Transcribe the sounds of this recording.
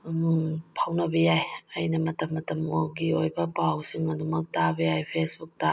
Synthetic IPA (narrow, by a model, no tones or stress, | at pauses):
pʰawnɐbɐjajɐjnɐmɐtɐmːɐtɐmoɡiojbɐpawsiŋɐdumɐk̚tabɐjajpʰesbuk̚ta